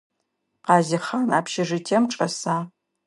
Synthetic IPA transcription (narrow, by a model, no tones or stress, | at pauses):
qɑːzɪχaːnaːpʰʃɪʐɨtʰeːmʈ͡ʂʼɐsaː